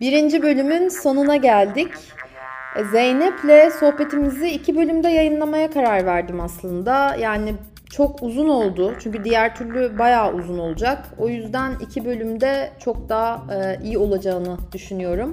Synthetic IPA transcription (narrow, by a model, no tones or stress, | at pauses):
biɾind͡ʒibø̞lʲymynso̞nɯnaɟælʲd̪ɪc | zejnɛplʲɛso̞hpe̞t̪ʰimiziːcʰibø̞lʲymd̪ɛjajɯnlˠamajakʰaɾaɾvæɾd̪imaslˠɯnd̪ajaːni | t͡ʃʰo̞kuzuno̞lˠd̪ʊt͡ʃʰyɲcyd̪ijæɾt̪ʰyɾlʲybajaːʔuzuno̞lˠud͡ʒako̞jyzd̪ænḭcʰibø̞lʲymd̪ɛt͡ʃʰo̞k̚d̪aijio̞lˠad͡ʒaɯnɯd̪̥yʃynyjo̞ɾum